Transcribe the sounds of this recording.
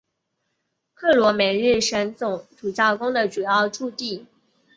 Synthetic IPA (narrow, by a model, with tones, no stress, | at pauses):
kʰɤ˥˩lwɔ˧˥mɛ˧˥nɻɻ̩˥˩ʂə˧˥nt͡sʊ˨˩ŋʈ͡ʂʰu˨˩t͡ɕjɑ˥˩ʊkʊ˥ŋd̪ə˨ʈ͡ʂu˨˩jɑ˥˧ʊʈ͡ʂu˥˧t̪i˥˩